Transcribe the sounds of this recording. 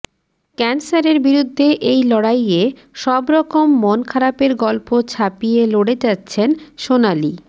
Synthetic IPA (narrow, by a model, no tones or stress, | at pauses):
kɛnsaɾeɾbiɾud̪ʱːeʔejlɔɽajeʃɔbɾɔkomːonkʰaɾapeɾɡɔlpot͡ɕʰapijeloɽet͡ɕatːɕʰenʃonali